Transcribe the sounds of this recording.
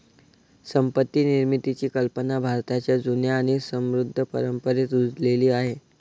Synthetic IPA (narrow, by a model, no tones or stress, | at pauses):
səmpət̪ːiːniɾmit̪it͡ɕiːkəlpənabʱaɾt̪at͡ɕjad͡zunjaːɽ̃isəmɾud̪ʱːəpə̰ɾəmpəɾet̪ud͡zleliːaɦe